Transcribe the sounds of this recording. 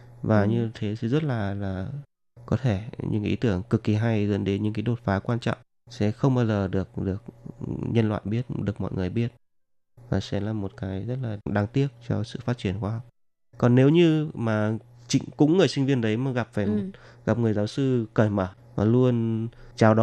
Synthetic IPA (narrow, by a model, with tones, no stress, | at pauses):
vaː˨˩ɲɨ˧t̪ʰe˨˦sɛ̰˧˥zə˦˥t̚laː˨˩laː˨˩ | kɔ˨˦t̪ʰe˧˩ɲɨ̰˧˥ŋʔḭ˨˦t̪ɨ˧˩əŋkɨ˨˩kːi˨˩˦ɦa˧jzə̰˧˥nɗe˨˦nɲɨ̰˧˥ŋkaː˨˦ɗo˨˩t̚faː˨˦kwaː˧nt͡ɕɔ̰˧˨wŋ͡m | sɛ̰˧˥xə˧wŋ͡mɓaː˧zəː˨˩ɗɨ˨˩ək̚ɗɨ˨˩ək̚ɲə˧nlwa̰ː˧˨jɓi˦˥ət̚ɗɨ˨˩ək̚mɔ̰˧˨jŋɨ˨˩əjɓi˦˥ət̚ | vaː˨˩sɛ̰˧˥laː˨˩mo˨˩t̚kaː˨˦jzə˦˥t̚laː˨˩ɗaː˨˦ŋt̪i˦˥ək̚t͡ɕɔ̰˧sɨ̰˧˨faː˦˥t͡ɕi˧˩ənxwaː˧hɔ˨˩wk͡p̚ | kɔ˨˩nːe˨˦wɲɨ˧maː˨˩ | t͡ɕï˧˦ŋkʊ̰˧˥ŋ͡mŋɨ˨˩əjsï˧ŋ̟vi˧ənɗə˨˦jmaː˨˩ɣa˨˩p̚vɛː˨˩m̚˨˩ | ɣa˨˩p̚ŋɨ˨˩əjzaː˨˦wsɨ˧kəː˧˩jməː˧˩ | maː˨˩lu˧ənt͡ɕaː˨˦wɗɔ˨˦